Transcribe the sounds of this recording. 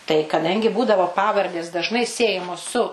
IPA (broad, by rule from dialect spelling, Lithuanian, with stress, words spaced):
tɐɪ kɐˈdɐŋʲɡʲɪ ˈbuːdɐʋoː ˈpɑːʋɐrʲdʲeːs dɐʒˈnɐɪ ˈsʲiɛjɛmoːs sʊ